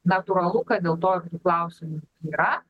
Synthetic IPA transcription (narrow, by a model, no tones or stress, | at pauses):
nɐt̪uɾɐlˠʊkɐd̪ʲeːlˠt̪oːɪrt̪uːklˠɐˑʊsʲɪmuiːɾɐ